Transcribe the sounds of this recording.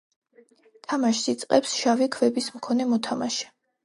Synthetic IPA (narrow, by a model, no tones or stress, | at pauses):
t̪ʰamaʃsit̪sʼqʼɛpsʃavikʰvɛbismkʰɔnɛmɔt̪ʰamaʃɛ̥